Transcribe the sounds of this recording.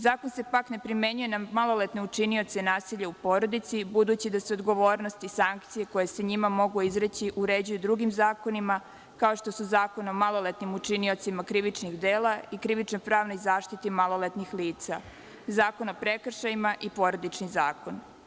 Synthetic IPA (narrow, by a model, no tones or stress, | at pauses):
zaːkonse̞pakne̞pɾime̞ɲujenamalo̞let̪neut͡ʃinio̞t̪se̞naːsiʎaupo̞ːɾo̞d̪it̪sibud̪uːt͡ɕid̪aseod̪ɡo̞ʋo̞ːɾno̞st̪isaŋkt̪sije̞ko̞je̞seɲimamo̞ɡuizɾet͡ɕiʔuɾed͡ʑujud̪ɾuɡimzaːko̞nima | kaoʃt̪o̞suzaːko̞nomalˠo̞let̪nimut͡ʃinio̞t̪simakɾiʋit͡ʃniɣd̪eːlaikɾiʋit͡ʃnojpɾaːʋno̞jzaːʃt̪it̪imalˠolet̪nixliːt̪sa | zaːko̞nopɾekr̩ʃajimaʔipo̞ːɾod̪it͡ʃnizaːko̞n